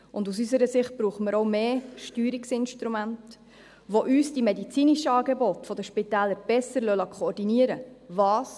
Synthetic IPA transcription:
ʊndus̬ysəɾəsɪχt̚b̥ɾuːχəməɾoʊmeːʃtyːɾiksɪnʃtɾumænt | ʋoʔyːsd̥imɛdit͡siːniʃəɑːɡebɔtfɔd̥əʃpitæːləɾb̥ɛsəɾlœlɑkʰoːɾdiniəɾəvɑːs

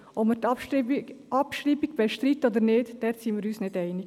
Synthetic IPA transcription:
ʔɔpmət | ʔɑpʃɾiːbiɡ̚b̥ɛʃtɾit̪ːoːd̪əɾneːdd̥ɛɾsinmiːɾyːsnedɛɪnɪɡ̥

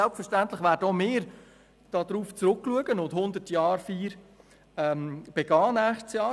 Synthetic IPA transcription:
ɛlpfəɾʃtænt̪lɪχʋæːɾd̥əomɪːɾ | d̥ɑːd̥̪ɾuːft͡sɾʊkːluəɡənʊndhʊnd̪ətjɑːɾfiːɾ | ɛmb̥eɡ̥ɑːnæːχtsjɑː

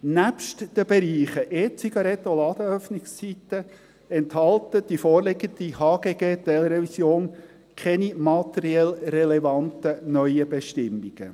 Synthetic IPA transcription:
næpʃtd̥əb̥ɛɾiːχəʔeːt͡siɡ̥ɑɾɛt̪ːolɑːd̥̪əœfnɪkst͡sitə | ɛnthɑltəd̥ifoːrlɪɡəndihɑːɡ̥eːɡeːtɛlɾɛvisjoːn | kʰɛnimɑtɛɾiɛlrɛlɛvɑntənœʏəbɛʃtɪmːiɡ̥ə

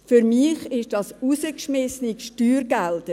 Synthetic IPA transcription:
fyɾmiːχɪʃd̥ɑsusəkʃmɛsnikʃtyːɾɡɛldə

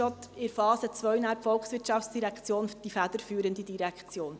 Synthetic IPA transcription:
ɔt̪ɪɾfɑːzət͡sʋœɥnæːɾpfɔlksʋɪɾtʃɑftt͡ssd̥iɾɛkt͡sjoːnd̥ifæd̪̥əɾfyːɾəndidiɾɛkʰt͡sjoːn

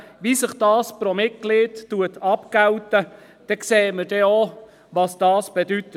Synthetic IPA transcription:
ʋisəχd̥ɑːspɾomɪt̚ɡ̥liːttːuət̪ɑpkawtə | d̥ɛkseːməɾd̥ɛo | ʋɑsd̥ɑːsb̥edyt̪ːə

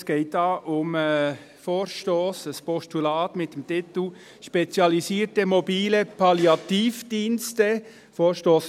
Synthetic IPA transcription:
sɡ̥eɪtdɑʔʊm | foːrʃtoːsəspɔstulɑːtmɪtəmtɪt̪l̩ | ʃpet͡sjɑlisiːəɾtəmobiːləpʰɑljɑtiːfd̥iːnstə | foːɹʃtoːs

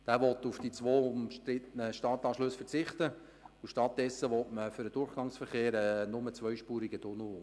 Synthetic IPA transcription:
d̥æːʋɔtufd̥it͡sʋoːʊmʃtɾɪtənəʃtɑːtɑːʃlɵsfərt͡sɪχtə | ʊʃtɑt̚d̥ɛsːəʋɔtməfʏɾdəd̥ʊrχɡ̥ɑŋsfəɾχeːɾɛːnʊmət͡svœʏʃpuːɾiɡəd̥ʊnu

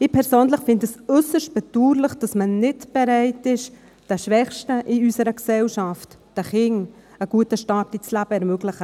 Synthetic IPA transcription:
ɪpʰɛɾsøːnləχfɪndəsʏsəʃt̚b̥ɛduːɾlɪχd̥ɑsmənɪtb̥ɛɾæɪtɪʃ | d̥ɛʃʋɛχʃtəʔiysəɾəksɛlʃaft | d̥əχɪŋ | əɡ̥uətəʃtɑːp̚d̥it͡slæb̥əɛɾmøɡlɪχə

